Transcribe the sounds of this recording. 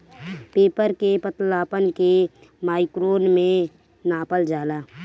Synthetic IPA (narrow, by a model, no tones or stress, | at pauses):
peːpəɾkepət̪laːpənke | maːɪkɾoːnmẽ | naːpəld͡ʒaːlaː